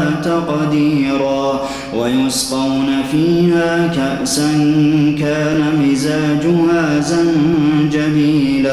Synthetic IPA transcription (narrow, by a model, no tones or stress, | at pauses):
t̪aqd̪iːɾaː | wajʊsqɑwnafiːhaːkaʔsankaːnamɪzaːd͡ʒʊhaːzand͡ʒamiːlaː